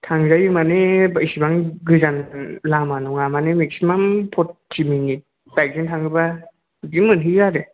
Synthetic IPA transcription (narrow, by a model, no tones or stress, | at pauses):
tʰaŋzajɯmanebajsibaŋɡɯzanlamanuŋamanemek̚simampʰɔt̚ːimiŋi | tajk̚zɯŋtʰaŋɯba | ɡiŋmɯnɦizaɾe